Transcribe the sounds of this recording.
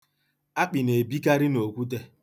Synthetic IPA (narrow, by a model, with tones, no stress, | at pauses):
a˦k͡pi˨ne˨bi˦ka˦ɾi˦no˨kʷu˦t̬e˦